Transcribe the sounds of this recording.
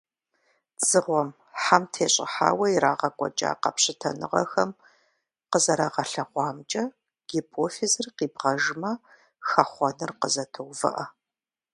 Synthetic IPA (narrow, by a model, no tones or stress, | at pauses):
t͡sʼɨʁʷɔm | ħamtʰeːɕʼɪ̰ħa̰ːwɐiɾaːʁɐkʷʼɔ̰t͡ʃʼa̰ːqɐ̰pɕɪtʰɐnɨʁɐ̰xɐm | qəzɐɾaːʁɐɬɐʁʷɑːmt͡ʃʼɐ | ɡ̥ipʰoːfizɨrqiːbʁɐʒmɐ | xɐχʷɔnɨrqəzɐtʰɨwvɐ̰ʔɐ